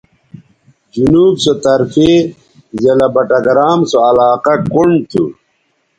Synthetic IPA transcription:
d͡ʑunuːbsot̪ɐɾfe | zelɐbɐʈɐɡɾaːmsoɐlaːqɐkuɳɖt̪ʰṵ

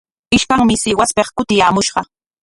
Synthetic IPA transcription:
ɪʃkaŋmɪsɪwaspeχkʊt̪ɪjaːmʊʃɢɑ

